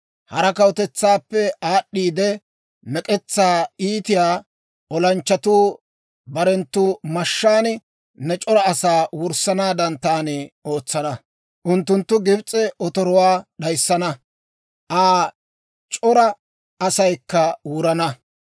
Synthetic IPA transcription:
hɐɾɐkɐwt̪ɛt͡sːaːpːɛaːɗːiːd̪ɛ | nɛkʼɛt͡sːaːiːt̪ɪjaː | ʔɔlɐnt͡ʃːɐt̪uː | bɐɾɛnt̪ːuːmɐʃːaːn | nɛt͡ʃʼɔɾɐːsaːwʊɾsɐnaːd̪ɐnt̪aːnɛo̞ːt͡sːɐnɐ | ʔʊnt̪ːʊnt̪ːʊɡɪbt͡sʼːɛʔɔt̪ɔɾɔwaːɗɐjsːɐnɐ | ʔaː | t͡ʃʼɔɾɐ | ɐsɐjkːɐwʊɾɐnɐ

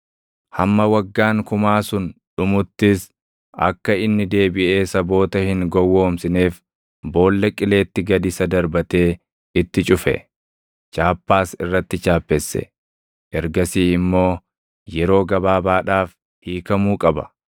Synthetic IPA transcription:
hɐmːɐwɐɡːaːŋkʊmaːsʊnᶑʊmʊt̪ːɪs | ɐ̰kːɐɪnːɪd̪e̞ːbɪʔe̞ːsɐbo̞ːt̪ɐhɪŋɡɔwːo̞ːmsɪneːf | bo̞ːlːɐkʼɪle̞ːt̪ːɪɡɐd̪ɪsɐd̪ɐɾbɐt̪e̞ː | ɪt̪ːɪt͡ʃʼʊfɛ̰ | t͡ʃʼaːpːaːsɪrːɐt̪ːɪt͡ʃaːpːɛsːɛ̰ | ʔɛɾɡɐsiːɪmːo̞ː | jɛɾo̞ːɡɐbaːbaːᶑaːf | hiːkɐmuːkʼɐbɐ̰

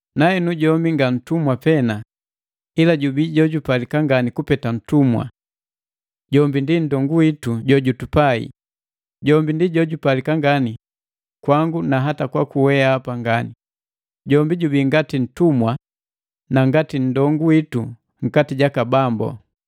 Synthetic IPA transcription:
naɛnuɟɔmbiŋɡan̩tumwapɛna | ilaɟubiɟɔɟupalikaŋɡanikupɛtan̩tumwa̰ | ɟɔmbindindɔŋɡuwituɟɔɟutupaḭ | ɟɔmbindiɟɔɟupalikaŋɡani | kwaŋɡunaɦatakwakuwɛaːpaŋɡani | ɟɔmbiɟubiŋɡatin̩tumwa | naŋɡatin̩dɔŋɡuwitu | ŋ̩katiɟakabambɔ̰

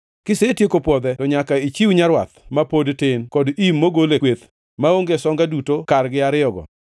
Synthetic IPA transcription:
kɪsetjekopwɔd̪ɛtɔɲakait͡ʃiwɲaɾwa̰t̪mapodtɪnkɔdimːoɡolewet̪ | maoŋɡesɔŋɡadutokarɡɪaɾɪɔɡɔ̰

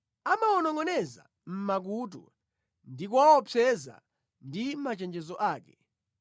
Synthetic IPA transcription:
amaɔnɔŋɔnɛza̰ | m̩mak̬ut̬ɔ̰ | ndik̬uawɔpʰɛza̰ | ndimat͡ʃɛnd͡ʒɛzɔʔaːkɛ

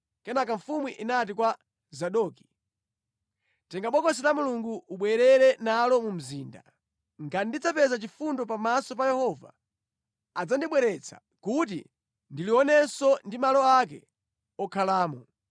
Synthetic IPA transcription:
kɛnakaɱfumwiʔinat̬ikwa | zaɗɔki̥ | tɛŋɡaɓɔkɔs̬ɛɾamuluŋɡuuɓwɛɾɛɾɛnalɔmum̩ziːnda̰ | ŋɡandid͡zapɛzat͡ʃifundɔp̬amasɔp̬ajɛhɔva̰ | ad͡zandiɓwɛɾɛt͡sʰḁ̰ | kut̬ḭ | ndiliɔnɛsɔndimalɔak̬ɛ̰ | ɔkʰalaːmɔ

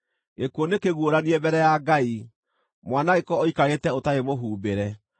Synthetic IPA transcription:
ekuonekeɣwoɾaniɛbɛɾɛjaɡai | mwaːnaɣekɔɔikaɾetɛotaemoɦuːbeɾɛ

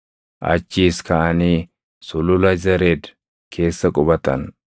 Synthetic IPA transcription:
ʔɐ̰t͡ʃːiːskɐʔɐniː | sʊlʊlɐzɐɾed̪ | kʰe̞ːsːɐkʼʊbɐt̪ɐn

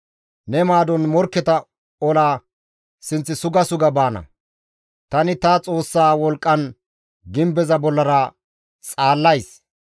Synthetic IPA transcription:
nɛmaːd̪ɔnmɔɾkːɛt̪ɐ | ɔlaː | sɪnt͡sːɪsʊɡɐsʊɡɐbaːnɐ̰ | t̪ɐnɪt̪ɐt͡sʼo̞ːsːaːwɔlkʼːɐn | ɡɪmbɛzɐbɔlːɐɾɐ | t͡sʼaːlːɐjs

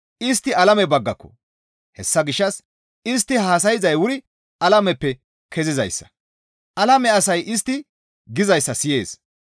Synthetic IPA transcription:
ɪs̬t̪ːɪɐlɐmɛbɐɡːɐkːɔ̥̰ | hɛsːɐɡɪʃːɐs | ɪs̬t̪ːɪhaːs̬ɐjɪzɐjwʊɾɪ | ɐlɐmɛpːɛ | kʰɛzɪzɐ̰jsːɐ̥ | ʔɐlɐmɛɐsɐjʔɪs̬t̪ːɪ | ɡɪzɐjsːɐsɪje̞ːs

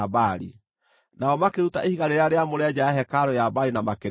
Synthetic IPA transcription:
baɾḭ | naɔmakeɾutaʔehiɣaɾeɾeaɾeamoɾɛd͡ʑaaɦɛkaɾɔjabaɾinamakeɾ

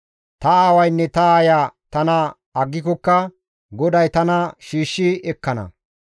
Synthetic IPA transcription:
t̪ɐaːwɐjnːɛt̪ɐaːjaːt̪ɐnɐ | ɐɡːɪkɔkːɐ | ɡɔd̪ɐjt̪ɐnɐʃiːʃːɪɛkːɐnɐ̰

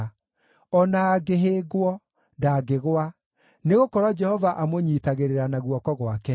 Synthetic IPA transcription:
ɔnaːɡeɦeːɡwɔ | daːɡeɣowa | neɣokɔɾwɔd͡ʒɛhɔvaʔamoɲiːtaɣeɾeɾanaɣwɔkɔɣwakɛ

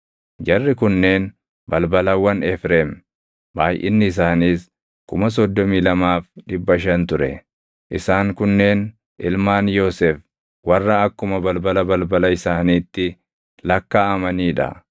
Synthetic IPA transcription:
d͡ʒɐrːɪkʊnːe̞ːn | bɐlbɐlɐwːɐnɛfɾeːm | baːjʔɪ̰nːɪɪs̬aːniːs | kʊmɐs̬ɔd̪ːɔmiːlɐmaːfᶑɪbːɐʃ̬ɐnt̪ʊɾɛ̰ | ʔɪsaːŋkʊnːe̞ːn | ʔɪlmaːnjoːsɛf | wɐrːɐːkːʊmɐbɐlbɐlɐbɐlbɐlɐɪsaːniːt̪ːɪ | lɐkːaːɐmɐniːᶑɐ̰

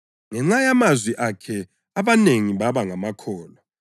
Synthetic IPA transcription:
ŋɛŋ͡ǀajamazwiʔakʰɛ | aβaneŋiβaβaŋamakʰɔːlɔ

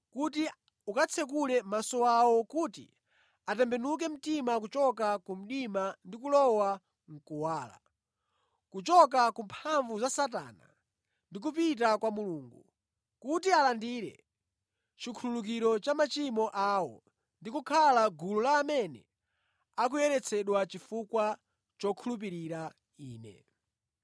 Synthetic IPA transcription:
kuti | ukat͡sʰɛkulɛmasɔawɔkuːtḭ | atɛmbɛnuk̬ɛm̩timak̬ut͡ʃɔkakum̩ɗimandikulɔwa | ŋ̩kuwaːla̰ | kut͡ʃɔkakumpʰaɱvuzasata̰ːna̰ | ndik̬upit̬akwamuluːŋɡṵ | kutialandiːɾɛ̰ | t͡ʃikʰululuk̬iɾɔt͡ʃamat͡ʃimɔʔaːwɔ̰ | ndikukʰalaɡululaːmɛnɛ̰ | ak̬ujɛɾɛt͡sʰɛɗwat͡ʃifukwa | t͡ʃɔkʰulup̬iɾiɾa | iːnɛ̰

